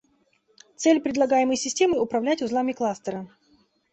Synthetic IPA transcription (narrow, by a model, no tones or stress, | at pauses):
t̪sɛlʲpɾʲɪdlˠɐɡajɪməjsʲɪsʲtʲe̞mɨʊpɾɐvlʲætʲʊzlˠamʲɪklˠast̪əɾə